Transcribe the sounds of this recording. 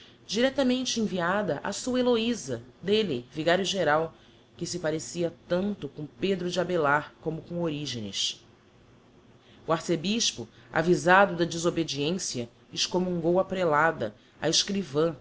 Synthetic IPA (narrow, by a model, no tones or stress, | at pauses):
d͡ʒiɾɛt̪ɐmẽnt͡ʃɪẽviad̪ɐʔa̰suɐeloizɐd̪eliviɡaɾjʊʒeɾaw | kɪsɪpaɾesiɐt̪ɐ̃nt̪ʊkõped̪ɾʊd͡ʒɪabelaɾkõmʊkõoɾiʒḛ̃nɪ̰s | ʊaɾsebiʃpʊa̰vizad̪ʊd̪ɐd͡ʒizobed͡ʒiẽsiɐ | ɪʃkomũŋɡowɐpɾelad̪ɐ̰ | a̰eʃkɾivɐ̃